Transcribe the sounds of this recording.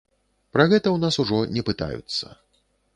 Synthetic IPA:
pɾɐɣɛt̪ɐwnasuʐɔnʲɛpɨt̪a̰jṵt̪sːɐ̰

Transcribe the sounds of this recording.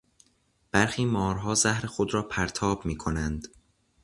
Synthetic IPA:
b̥æɾxiːmɒːɾɦɒːzæhɾe̞xod̪ɾɒːpʰæɾt̪ʰɒːbmiːkʰonænd̪̥

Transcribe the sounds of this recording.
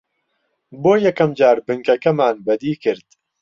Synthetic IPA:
boːjɛkɐmd͡ʒaːɾbɨŋkɐkɐmaːnbɛd̪iːkɨɾd̪

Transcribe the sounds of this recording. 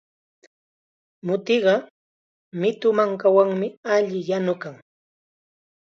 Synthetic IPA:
mʊt̪ɪɢɑ | mɪt̪ʊmaŋkawaŋmɪaʎɪjanʊkaŋ

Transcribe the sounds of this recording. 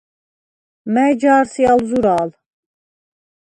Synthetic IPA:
mɛːd͡ʒaːɾsialzuɾaːl

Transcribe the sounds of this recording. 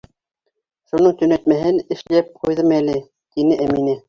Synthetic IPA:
ʃunɤɴt̪ɵ̆næt̪mæɦɘnɘ̆ʃlæp̚qujðɤmælɘ | t̪inɘʔæminɘ

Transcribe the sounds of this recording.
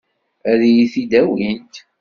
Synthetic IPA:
æɾijiθid̪æwint̪

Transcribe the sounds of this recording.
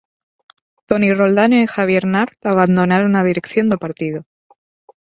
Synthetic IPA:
t̪oniro̞ld̪aneixaβjeɾnaɾt̪aβand̪o̞naɾonað̞iɾe̞kθjo̞nd̪epaɾt̪ið̞o

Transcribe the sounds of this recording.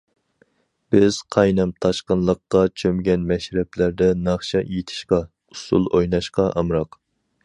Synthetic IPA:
b̥ɪz̥qʰɑjnɛmt̪ʰɑʃqənlˠəqːɑt͡ʃʰømɡʲɛnmɛʃɾɛplæɾd̪ɛnɑχʃɛjet̪ʰɪ̥ʃqɑ | usṵlˠojnɑʃqɑʔɑmɾɑq

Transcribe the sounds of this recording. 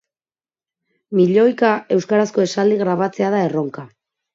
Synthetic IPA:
miʎo̞jkae̞wskaɾasko̞e̞sald̪iɣɾaβ̞at͡se̞aðae̞ro̞ŋka

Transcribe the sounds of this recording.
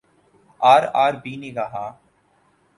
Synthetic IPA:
aːɾaːɾbiːneːɡaːɦaː

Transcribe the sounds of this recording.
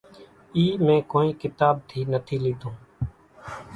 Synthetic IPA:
iːmẽːkoːiːkɪt̪aːb̚t̪ʰiːnət̪ʰiːliːd̪õː

